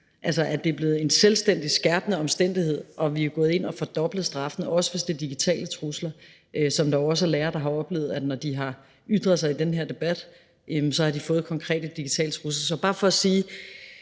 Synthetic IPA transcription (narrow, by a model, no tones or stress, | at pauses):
ʔælsɐʔæd̥e̝b̥le̝ːð̩ˠe̝nselsd̥en̰d̥isɡ̥æɐb̥nəɒ̽msd̥en̰d̥ihe̝ð̰ˠɒ̽ʋiæɡ̥ɔ̽ːð̩ˠe̝n̰ɒ̽fɒ̽d̥ɒ̽b̥ləð̞̩ˠsd̥ʁɑ̈fənəɒ̽səʋe̝sd̥e̝d̥iɡ̥it͡sʰɛ̰ːlət͡sʰʁuslɐ | ʔøsɒ̽md̥ɑɒ̽s̬ælæːɐd̥ɑ̈ɦɑ̈ɒ̽b̥le̝̰ːð̩ˠæ̥nɒd̥iɦɑ̈ | yd̥ʁɐðˠsɑ̈ɪid̥enɦe̝ɐ̰d̥e̝b̥æd̥ | jemsɒ̽hɑ̈d̥ifɔ̽ːð̩ˠkʰɒ̽ŋkʰʁɛ̰ːd̥əd̥iɡ̥it͡sʰɛ̰ːlt͡sʰʁus̬lɐsɒ̽b̥ɑ̈ːfɒ̽ːsiː